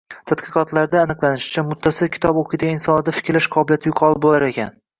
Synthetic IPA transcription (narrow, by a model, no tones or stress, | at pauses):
t̪ʰad̪qɨqɒt̪ʰlaɾd̪aːnɨqlˠanɪʃɪ̥t͡ʃʰamʊt̪ʰːasɪlkʲʰɪ̥t̪ʰɒbokʰɪd̪aɪnsɒnɪd̪afɪ̥kʲʰɾlːaʃqʰɒbɪljat̪ʰɪjʊqʰɒlˠɪp̚bolaɾe̞kʲʰan